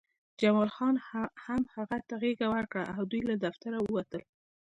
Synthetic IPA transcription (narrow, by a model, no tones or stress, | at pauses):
d͡ʒamɑlxɑnhamhaɣat̪aɣeɡawaɾkɽaʔawd̪ujlad̪aft̪aɾawəwat̪əl